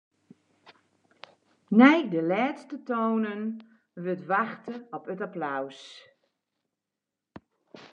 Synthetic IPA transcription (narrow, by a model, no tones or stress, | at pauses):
nɛjdəlɛːtstətoːnən | ʋøtʋaxtəɔpətaplaws